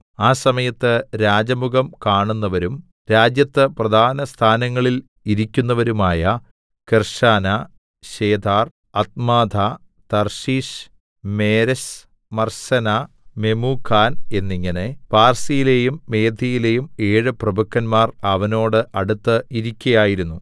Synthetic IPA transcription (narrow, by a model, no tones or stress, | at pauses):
aːsɐmɐjɐt̪ːɨɾaːd͡ʑɐmuɡɐmkaːɳunːɐʋɐɾum | ɾaːd͡ʑjɐt̪ːɨprɐd̪ʱaːnɐst̪ʰaːnɐŋːɐɭil | iɾikʲːunːɐʋɐɾumaːjɐ | kɨrʂaːnɐ | ɕe̞ːd̪ʱaːr | ɐt̪̚maːd̪ʱa | t̪ɐrʂiːɕ | meːɾɐɕ | mɐrɕɐna | me̞muːkʰːaːne̞nːiŋːɐne̞paːrsijile̞jumːe̞ːd̪ʱijile̞jume̞ːɻɨprɐbʱɐkʰːɐnmaːrɐʋɐno̞ːɽɨʔɐɽut̪ːɨiɾikʲːɐjaːjiɾunːu